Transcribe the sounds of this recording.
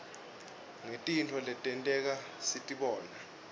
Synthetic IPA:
ŋetʼintʰɔlɛtʼɛntʼɛk̬a | sitʼiɓɔːna

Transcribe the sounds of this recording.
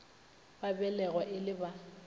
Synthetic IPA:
babɛlɛɣwɔʔɪlɪba

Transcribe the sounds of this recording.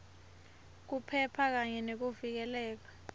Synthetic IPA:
k̬upʰɛpʰak̬aɲɛnek̬uvik̬ɛlɛːk̬ḁ

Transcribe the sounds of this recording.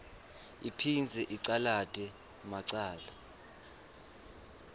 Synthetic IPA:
ipʰind͡zʱɛʔiǀalatʼɛ | maǀaːla

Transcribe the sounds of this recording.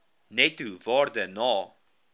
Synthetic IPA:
nɛtuvɑːrdənɑː

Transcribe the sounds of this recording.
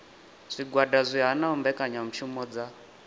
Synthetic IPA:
z̥ʷiɡwadazʷiɦanaumbɛkʼaɲam̩t͡ʃʰumɔd͡za

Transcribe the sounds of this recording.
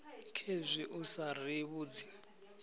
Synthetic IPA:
kʰezʷiʔusariβuːd͡zi̥

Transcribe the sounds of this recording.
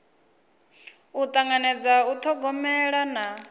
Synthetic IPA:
ut̪ʼaŋɡanɛd͡zaut̪ʰɔɡɔmɛɺana

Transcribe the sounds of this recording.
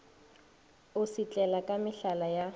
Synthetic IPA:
ʊsit͡ɬʼɛlakʼamɪɬalaja

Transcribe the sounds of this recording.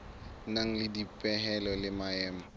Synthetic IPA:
naŋ̩lɪdipʼɛɦɛlɔlɪmaɛːma

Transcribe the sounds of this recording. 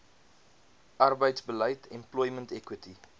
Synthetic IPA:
ʔɐrbəjtsbələjtʰɛmplɔjməntɛkwəti

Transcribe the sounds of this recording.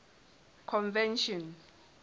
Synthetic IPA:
kʰɔnvɛnʃɔn

